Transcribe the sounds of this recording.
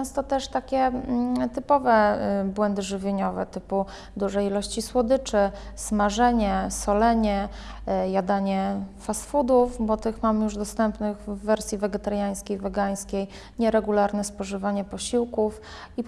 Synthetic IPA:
ɛ̃st̪ɔt̪ɛʂt̪akʲɛt̪ɘpɔvɛbwɛnd̪ɘʐɘvʲjeɲɔvɛ̰t̪ɘpu | d̪uʐɛjilɔɕt͡ɕiswɔd̪ɘt͡ʂɘsmaʐɛɲɛsɔlɛɲɛ | jad̪aɲɛfasfud̪ufbɔt̪ɘxmamɘjuʐd̪ɔst̪ɛmpnɘɣvːɛɾsʲjivɛɡʲɛt̪aɾjaj̃skʲejvɛɡaj̃skʲej | ɲɛɾɛɡulaɾnɛspɔʐɘvaɲɛpɔɕiwkuf | i

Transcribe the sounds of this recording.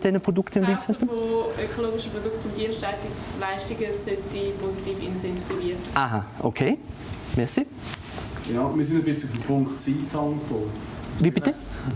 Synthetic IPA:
d̥ɛnəpʁ̥odʊktəʊntd̥iːnsatəmoøkʰoloːɡɪʃəpʁodʊktʊnd̥iːnʃtatɪklaɪʃtɪɡəsɛtipʰositiːfɪ̰nsɛntiviətʔaɦa̰ʔo̰kʰeː | mɛsi | jɑːmiːsɪndəbɪt͡sʊfmpʰʊŋktt͡siːtʰːɑŋkfoː | viːbɪttə

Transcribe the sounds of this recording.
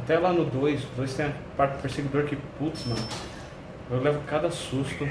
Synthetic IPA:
at̪ɛlanʊd̪ojsʊd̪ojst̪ẽj̃ɐ | paɾt̪ɪd̪peɾseɡid̪oɾkɪput̪mɐ̃ | ewlɛvʊkad̪ɐsust̪ʊ

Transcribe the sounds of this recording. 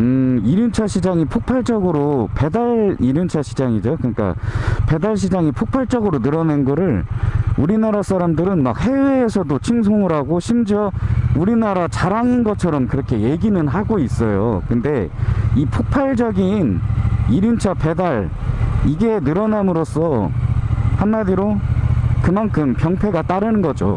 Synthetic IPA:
ɯiɾjunt͡ɕʰaɕʰid͡ʑaŋipʰok̚pʰaɭt͡ɕ͈ʌɡɯɾope̞daɭiɾjunt͡ɕʰaɕʰid͡ʑaŋid͡ʑokɯɲik͈a̰pe̞daɭɕ̬ʰid͡ʑaŋipʰok̚pʰaɭt͡ɕ͈ʌɡɯɾonɯɾʌnenɡʌɾɯɭuɾinaɾas͈ʰaɾamdɯɾɯnma̰k̚he̞we̞ːsʰʌdot͡ɕʰiŋs̬ʰoŋɯɾaɡoɕʰimd͡ʑiʌuɾinaɾat͡ɕaɾaŋinɡʌt͡ɕʰʌɾʌmkɯɾʌkʰe̞je̞ɡinɯnɦaɡois͈ʌjo̰kɯnde̞ipʰok̚pʰaɭd͡ʑʌɡiniɾimt͡ɕʰape̞daɭ | iɡe̞nɯɾʌnamɯɾos͈ʌ | hanmadiɾo | kɯmankʰɯmpjʌŋpʰe̞ɡat͈aɾɯnɯnɡʌd͡ʑo̰

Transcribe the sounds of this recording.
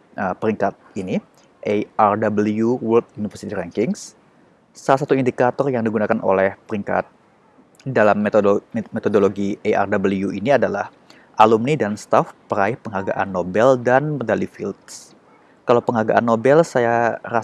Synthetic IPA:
ʔəpəɾiŋkat̪̚ini | ʔeʔardabəljuwɛlt̪̚junifərsit̪iɾɛŋkɪŋs | salas̬at̪uindikat̪ɔrjaŋdiɡunakanʔo̰lɛhpəɾiŋka̰t̪̚ | dalammet̪odoloɡiea̰rdabəliuʔiniadalah | ʔalumnidanst̪afpəɾaɪhpəŋaɡa̰ʔa̰nːobɛldanmədalifilt̪s | kalawpəŋaɡa̰ʔanːobɛlsajaɾa

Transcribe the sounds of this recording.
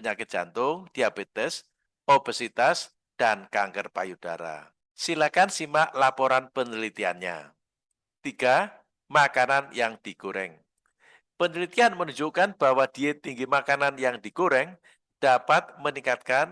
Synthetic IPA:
pəɲakɪt̪̚ʒ̥a̰nt̪ʊŋd̥i̤abet̪ɛs | ob̥asit̪as | d̥ankaŋkərpa̰jud̥aɾa̰ | silakansimaʔlapoɾanpənəlit̪ia̰nɲa̰ | t̪iɡ̥a | makananjaŋd̪̥i̤kuɾɪ̰ŋ | pənəlit̪ianmənuɲd͡ʒukanb̥a̤wad̥i̤et̪iŋɡimakananjaŋd̪̥ikuɾɛŋ | d̥apat̪̚məniŋkat̪̚kan

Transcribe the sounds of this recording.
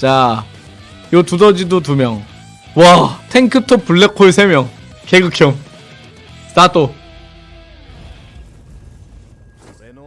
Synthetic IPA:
t͡ɕa | jotudʌd͡ʑidotumjʌŋ | watʰeŋkʰɯtʰopuɭːekʰːoisʰemjʌŋ | keɡɯkʰjoŋ | s͈at͈ʰo

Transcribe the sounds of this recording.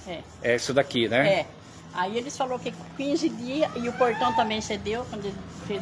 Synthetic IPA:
ɛ | ɛisʊd̪akinɛɛ | aielɪsfalowkɪkĩzɪd̪iɐɪʊpoɾt̪ɐ̃w̃t̪ɐ̃mbẽj̃sed̪ewkwɐ̃nd̪ʊelfe

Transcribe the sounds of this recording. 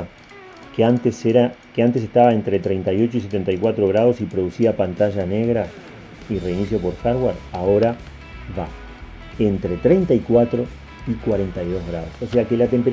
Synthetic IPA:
keant̪eseɾakeant̪e̞s̬e̞ht̪aβae̞nt̪ɾe̞t̪ɾe̞jnt̪ajo̞t͡ʃois̬e̞t̪e̞nt̪ajkwat̪ɾo̞ɣ̞ɾað̞o̞sipɾo̞ðusiðapant̪aʒane̞ɣɾa | ireinisjo̞po̞ɾxaɾɣwaɾaoɾa | βa̰ | e̞nt̪ɾe̞t̪ɾe̞jnt̪aikwat̪ɾo̞ | ikwaɾe̞nt̪ajðo̞zɣɾaðo̞sose̞ake̞lat̪e̞mpe̞ɾ

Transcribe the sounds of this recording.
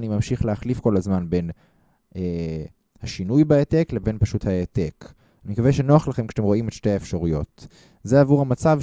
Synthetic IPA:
nimamʃiχleaχlifko̞lazmanbe̞n | ʔe | haʃinujbaetekle̞be̞npaʃuthaetek | animkaveʃenoaχlaχemkʃḁt̪emʁo̞imet̪ʃte̞aefʃaʁujo̞t | zeavuʁhamat͡sav

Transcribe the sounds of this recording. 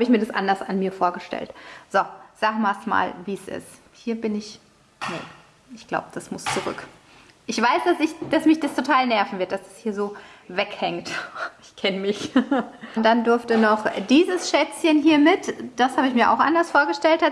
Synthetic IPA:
haːbəɪçmiːɐdasʔa̰ndɐsanmiːɐfoːɐɡəʃtɛ̰ltz̥ɔz̥aːɡəmaːsma̰ːlviːsʔɪ̰st | hiːɐbɪnɪç | nə̰ | ʔɪçɡ̥la̰ʊbəd̥asmʊst͡suʁʏ̰k | ʔɪçv̥aɪsd̥asɪçd̥asmɪçd̥astʰotʰaːlnɛɐfn̩vɪɐt̚d̥asd̥ashiːɐzoːvɛkhɛŋtɪçkʰɛnəmɪç | nd̥andʊɐftənɔχd̥iːzəsʃɛt͡sçənɦiːɐmɪtd̥ashaːbəɪçmiːɐʔa̰ʊxʔa̰ndɐsfoːɐɡəʃtɛlt̚a

